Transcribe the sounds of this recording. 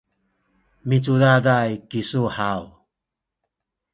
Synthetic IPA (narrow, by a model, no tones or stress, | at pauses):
mit͡sudadajkisuhaw